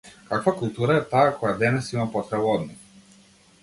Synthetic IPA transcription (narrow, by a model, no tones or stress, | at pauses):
kakvakulˠt̪uɾaɛt̪aːkɔjad̪ɛnɛsimapɔt̪ɾɛbaɔd̪nix